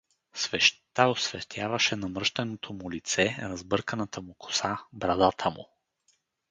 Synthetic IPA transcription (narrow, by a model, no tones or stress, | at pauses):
svɛʃt̪aʊsvɛt̪ʰʲjavɐʃɛnɐmɾʃt̪ɐnot̪ʰomʊlit̪sɛɾɐzbɤɾkənɐt̪ʰəmʊkʰʊ̥sabɾɐd̪at̪ʰəmʊ̰